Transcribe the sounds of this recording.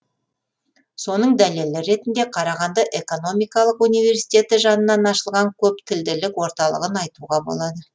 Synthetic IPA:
so̞nəɴd̪æle̞lɪɾe̞t̪ɪnd̪e̞qʰɑɾɑʁɑnd̪əʔe̞ko̞no̞mijkɑlˠəqunijve̞ɾsijt̪e̞t̪ɪʒɑnənɑnɑʃəlˠʁɑŋkʲʰɵp̚t̪ʰɪld̪ɪlɪkwo̞ɾt̪ɑlˠə̰ʁənɑjt̪uʁɑbo̞̰lˠɑd̪ə

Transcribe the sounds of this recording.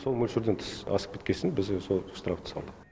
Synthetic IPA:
so̞lˠmɵlʲʃɪɾd̪ent̪ʰɪ̥sɑ̰sə̥p̚kʰet̪kʲe̞sɪnbɪzso̞lˠst̪ɾaft̪ʰɪ̥sɑ̰lˠd̪ə

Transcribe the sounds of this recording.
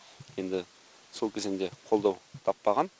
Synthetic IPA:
je̞nd̪ɪ | so̞lˠkʲʰezɪnd̪e̞qʰo̞lˠd̪ɑwt̪ʰɑpːɑʁɑn

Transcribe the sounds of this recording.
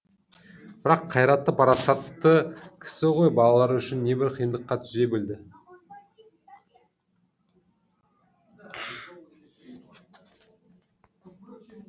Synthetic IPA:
b̥ɪɾɑqʰːɑjɾɑt̪ːəpʰɑɾɑsɑt̪ːəkʲʰɪ̥sɪʁo̞jbɑlˠɑlˠɑɾʏʃɪnːe̞bɪɾqʰəjənd̪əqːɑt̪ʰʏze̞bɪld̪ɪ

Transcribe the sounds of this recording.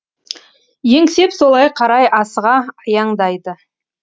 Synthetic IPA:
je̞ŋse̞pso̞lˠɑjqʰɑɾɑjʔɑsəʁɑɑjɑɴd̪ɑjd̪ə

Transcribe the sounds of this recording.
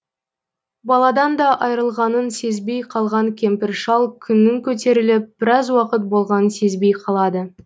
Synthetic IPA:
bɑlˠɑd̪ɑnd̪ɑʔɑjɾəlˠʁɑnənse̞zbe̞jqʰɑlˠʁɑŋkʲʰe̞mpɪɾʃɑlˠkʲʰʏnːɪŋkʲʰɵt̪̬e̞ɾɪlɪp̚b̥ɪɾɑzwɑqət̪̚bo̞lˠʁɑnənse̞zbe̞jqʰɑlˠɑd̪ə

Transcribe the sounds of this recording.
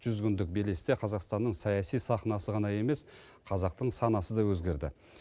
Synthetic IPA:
ʒ̥ʏzɡʲʏnd̪ɪk̚bele̞sɪt̪eqʰɑzɑqst̪ɑnːəɴsɑjɑsijsɑχnɑsəʁɑnɑje̞me̞s | qʰɑzɑq̚t̪əɴsɑnɑsəd̪ɑwɵzɡʲe̞ɾd̪ɪ̰

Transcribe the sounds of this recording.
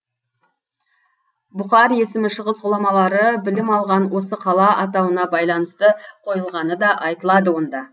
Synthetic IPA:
bʊqɑɾje̞sɪmɪʃəʁəsʊlˠɑmɑlˠɑɾəbɪlɪmɑlˠʁɑnwo̞səqʰɑlˠɑʔɑt̪̬ɑwənɑbɑjlˠɑnəst̪əqʰo̞jəlˠʁɑnəd̪ɑʔɑjt̪əlˠɑd̪əwo̞nd̪ɑ

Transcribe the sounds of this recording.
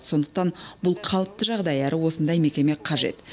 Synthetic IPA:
so̞nd̪ə̥q̚t̪ɑnbʊlˠqʰɑlˠəp̚t̪əʒɑʁd̪ɑjæɾɪwo̞sənd̪ɑjme̞kʲe̞me̞qʰɑʒe̞̰t̪

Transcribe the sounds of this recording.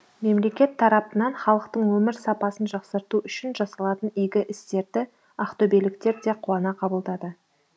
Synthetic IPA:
me̞mle̞kʲe̞t̪ʰːɑɾɑpənɑɴχɑlˠəqt̪əɴwɵmɪɾsɑpɑsənʒɑqsəɾt̪uʔʏʃɪnʒɑsɑlˠɑt̪ənɪjɡʲɪʔɪst̪e̞ɾd̪ɪ | ɑqt̪obelɪk̚t̪e̞ɾd̪e̞qʰʊwɑnɑqʰɑbəlˠd̪ɑd̪ə

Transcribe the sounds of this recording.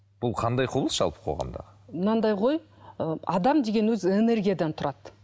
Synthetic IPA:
b̥ʊlˠqʰɑnd̪ɑjqʰʊblˠəsʒ̥ɑ̰lˠpə̥qʰo̰ʁɑ̰nd̪ɑ̰ʁəmənɑnd̪ɑjʁo̞j | əɑd̪ɑmd̪e̞ɡʲe̞nwɵzɪene̞ɾɡʲijad̪ɑnt̪ʰʊɾʔɑd̪̥

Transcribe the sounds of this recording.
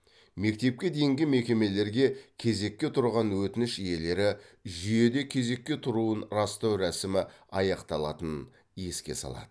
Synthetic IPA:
me̞k̚t̪e̞p̚kʲe̞d̪e̞jɪŋɡʲɪme̞kʲe̞me̞le̞ɾɡʲe̞kʲʰe̞ze̞kʲːe̞t̪ʰʊɾʁɑnwɵt̪ɪnɪʃije̞le̞ɾɪʒʏje̞d̪e̞kʲʰe̞ze̞kʲːe̞t̪ʰʊɾuənrɑst̪ɑwɾæsɪmɪɑjɑqt̪ɑlˠɑt̪ən | je̞skʲe̞̰sɑ̰lˠɑ̰d̪̥ə

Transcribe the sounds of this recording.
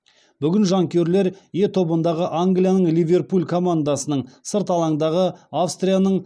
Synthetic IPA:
b̥ʏɡʲɪnʒɑŋkʲʰe̞ɾle̞ɾje̞t̪ʰo̞bənd̪ɑʁəʔaŋɡlijanəɴlivʲe̞rpulʲkʰo̞mand̪asənəɴsəɾt̪ɑlˠɑɴd̪ɑʁəafst̪rʲijanəɴ

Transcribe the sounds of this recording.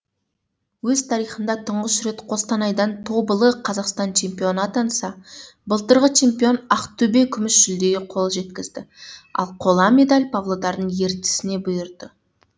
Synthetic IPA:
wɵzt̪ʰɑɾijχənd̪ɑt̪ʰəɴʁəsʏɾe̞t̪qʰo̞st̪ɑnɑjd̪ɑnt̪ʰo̞bəlˠəqʰɑzɑqst̪ɑnt͡ʃʰe̞mpijo̞nɑt̪ʰɑnsɑ | bəlˠt̪əɾʁət͡ʃʰe̞mpijo̞nɑqt̪ʰɵbe̞kʲʰʏmɪsʒ̥ʏld̪e̞ɡʲɪqʰo̞lˠʒe̞t̪kʲɪzd̪ɪɑ̰lˠqʰo̞lˠɑme̞d̪alʲpʰavlˠo̞d̪ɑɾd̪əɴje̞ɾt̪ɪ̥sɪne̞bʊjəɾd̪ə

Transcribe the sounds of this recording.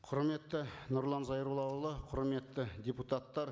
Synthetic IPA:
qʰʊɾme̞t̪ːɪnʊɾlˠɑnzɑjɾulˠɑwlˠəqʰʊɾme̞t̪ːɪd̪ʲeput̪at̪ːɑɾ

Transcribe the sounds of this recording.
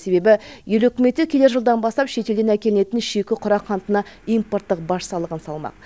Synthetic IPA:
se̞be̞bɪje̞lɵkʲɪme̞t̪ɪkʲʰe̞d̪e̞ɾʒəlˠd̪ɑnbɑst̪ɑpʃe̞t̪e̞ld̪enækʲe̞lɪne̞t̪ɪnʃekʲɪqʰʊɾɑqχʰɑnt̪ənɑimport̪ːəq̚bɑʃsɑlˠəʁənsɑlˠmɑ̰q̚

